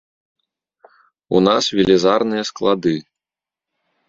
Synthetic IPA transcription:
ṵnasvʲilʲizarnɨjɐsklˠad̪ɨ

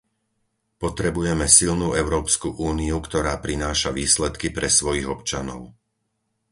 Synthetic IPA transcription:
pɔt̪ɾɛbujɛmɛsilnuːɛʊɾɔːpskuʔuːniukt̪ɔɾaːpɾinaːʃaʋiːslɛt̪kipɾɛsʋɔjiɣɔpt͡ʃanɔ̰ʊ

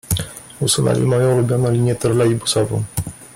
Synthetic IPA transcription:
usunɛ̰lʲḭmɔjɔ̃wulubʲjɔnɔ̃lʲiɲjɛt̪ɛɾlaibusɔvɔ̰̃w̃

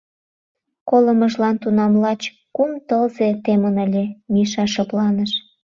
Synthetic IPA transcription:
koləməʃlɑnt̪unɑmlɑt͡ɕ | kumt̪əlzet̪emənəlʲemiʃɑʃoplɑnəʃ

